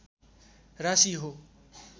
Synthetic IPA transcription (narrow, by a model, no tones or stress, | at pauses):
rasiɦo